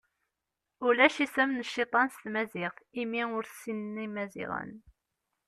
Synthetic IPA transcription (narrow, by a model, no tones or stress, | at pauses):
ʊlæʃisæmnəʃːit̪ˤɑnst̪mæzɪʁimiʊɾθsinnimæzḭʁə̰n